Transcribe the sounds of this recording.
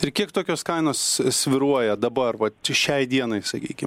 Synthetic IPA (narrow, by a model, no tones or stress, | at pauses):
ɪrkʲiɛk̚t̪oːkʲoːskɐɪnoːssʲʋʲɪɾuɔjɛd̪ɐbɐrʋɐt͡ʃʲʃʲɛɪd̪ʲiɛnɐɪsɐkʲḭːkʲɪm